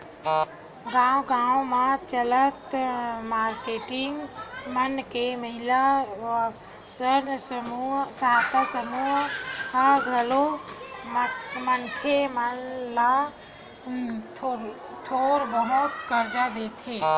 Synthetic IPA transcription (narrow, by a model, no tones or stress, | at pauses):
ɡãːwɡãːwmãt͡ʃələt̪maːɾkeːʈɪŋɡmənkeməɦɪla | sənsmusaːt̪ʰasəmuɦhəɡʱəlommənkʰemənla | t̪ʰoːɾbəɦʊt̪kəɾd͡ʒad̪et̪ʰeː